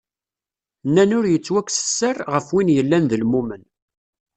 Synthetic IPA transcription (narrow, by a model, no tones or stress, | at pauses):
nːænʊɾjət͡sːwækʷːsə̥sːərˤʁəfwinjəlːænðəlmumən